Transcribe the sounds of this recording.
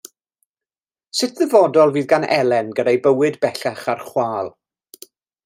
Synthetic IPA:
sɪtʰðəvɔdɔlˠviːðɡanɛ̰lˠɛnɡədajbəwɨdbɛɬaχarχwaːlˠ

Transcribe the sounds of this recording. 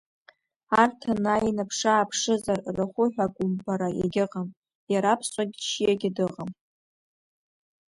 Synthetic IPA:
artʰanajinapʰʂaːpʰʂɨzarraχʷʊħʷᶣakʷʼʊmbaɾaja̰ɡʲɪqʼam | jaɾapʰsʷʼaɡʲʃijaɡʲɪdɨqʼam

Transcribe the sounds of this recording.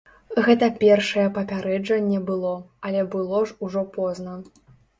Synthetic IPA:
ɣɛt̪ɐpʲɛrʂɐjɛpɐpʲaɾɛd͡ʐɐnʲːɛbɨlˠɔɐlʲɛbɨlˠɔʐuʐɔpɔznɐ

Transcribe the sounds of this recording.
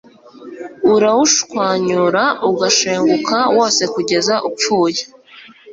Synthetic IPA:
uɾawuʃkwaːɲuɾauɡaʃeːŋɡukawo̞ːse̞kuɟe̞zaʔupp͡fuːje

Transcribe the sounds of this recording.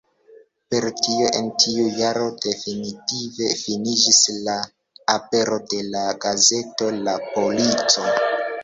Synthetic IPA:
pe̞ɾtioʔentʰiujaɾo̞de̞finitive̞finid͡ʒisla | ape̞ɾo̞de̞laɡaze̞to̞lapo̞lit͡so̞

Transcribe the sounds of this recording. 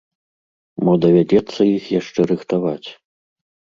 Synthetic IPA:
mɔd̪ɐvʲad͡zʲɛt̪sːɐjixjaʂt͡ʂɛɾɨxt̪avat͡sʲ

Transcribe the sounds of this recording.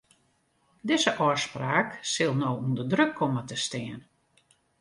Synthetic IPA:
dɪzəʔɔspraːksɪlˠnowundədrøkʰːomətəstɪən

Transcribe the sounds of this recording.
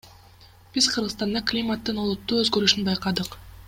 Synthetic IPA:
b̥iz̥qʰɯɾʁəst̪ɑnd̪ɑklʲimat̪ːɯnolˠut̪ːuːøzɡøɾyʃynbɑjqɑd̪ɯq

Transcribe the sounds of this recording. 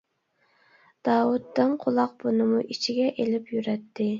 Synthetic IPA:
d̪̥ɑːwut̪ːɨnqʰʊlˠɑq̚b̥unɨmuʔit͡ʃʰiɡʲɛʔelɪpjyɾɛt̪ʰːɪ

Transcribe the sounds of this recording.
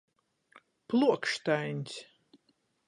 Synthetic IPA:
plˠuɔkʃt̪ajnʲsʲ

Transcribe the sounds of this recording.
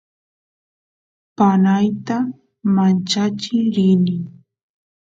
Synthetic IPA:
panajt̪a | mant͡ʃat͡ʃɪɾɪnɪŋ

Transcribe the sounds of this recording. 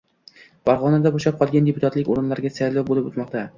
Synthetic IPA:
faɾʁɒnad̪aboʃap̚qʰɒlˠɡʲand̪epʊt̪ʰat̪lɪkʲoɾɪnlaɾɡʲasajlawbolɪpʊt̪mɒqt̪ʰa

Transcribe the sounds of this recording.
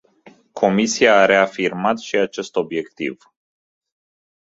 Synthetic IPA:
kʰo̞misiaːɾe̞afirmat̪ʃiat͡ʃe̞st̪o̞bje̞kt̪ḭv

